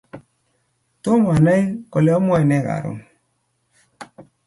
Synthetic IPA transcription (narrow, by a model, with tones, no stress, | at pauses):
to˦m˨a˨na˦jko˨lɛ˨˦ɔ˦mwɛ˦˨nɛ˦˨ka̰˨ɾo̰˨ŋ